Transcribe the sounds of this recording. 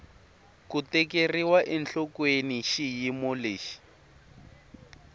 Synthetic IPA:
kutɛkeriwaʔɛnɬɔkweniʃijimoleːʃi̥

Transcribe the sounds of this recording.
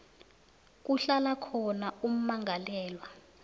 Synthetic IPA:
k̬ʼuɬalakʰɔnaum̩maŋʱalɛːlwa

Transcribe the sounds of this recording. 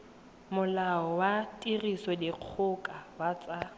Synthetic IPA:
mʊlaɔwatʼirisɔdɪq͡χʰʊkʼawat͡sʼa

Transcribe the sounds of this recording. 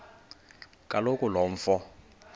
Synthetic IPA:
kʼalokʼʊlɔɱ̩fɔ

